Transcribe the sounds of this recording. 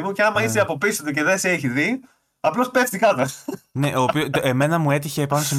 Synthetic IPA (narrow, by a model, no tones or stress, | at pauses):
muceɐmɐiseɐpo̞pisot̪ece̞ðeseeçiði | ɐplo̞speft̪ikɐt̪ɐne̞ʔo̞ːpioeme̞nɐmue̞t̪̬içe̞ːpɐnosem